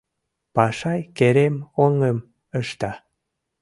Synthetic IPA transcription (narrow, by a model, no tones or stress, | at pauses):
pɑʃɑjkeɾemoŋəm | əʃt̪ɑ